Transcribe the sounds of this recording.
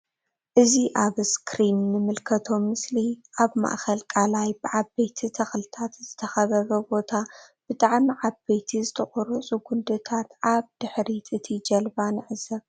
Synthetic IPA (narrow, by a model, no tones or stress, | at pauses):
ʔɨziʔaβɨskʰɾinːɨmɨlkʰɐt̪ʰo̞mɨsliʔaβma̰ʔxɐlkʼalajbɨʕabejt̪ʰit̪ʰɐxlɨt̪ʰat̪z̥ɨt̪ʰɐxɐβɐβɐbo̞t̪ʰab̥ɨt̪ʼaʕmiʕaβejt̪ʰizɨt̪ʰɐχʼɔɾusʼuɡund̪ɨt̪ʰat̪ʔaβd̪̥ɨħɾit̪ʼɨt̪ʰid͡ʒɐlbanɨʕɨzɐβ